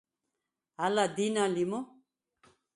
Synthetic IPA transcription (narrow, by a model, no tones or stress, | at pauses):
ɦalad̪inalimu